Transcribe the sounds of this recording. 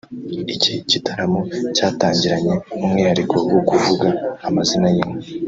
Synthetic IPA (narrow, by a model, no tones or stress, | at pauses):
icicitʰaɾamocaːtaːɲɟiɾaɲe̞numŋiːhaɾikowokuvuɡaːmazinajimo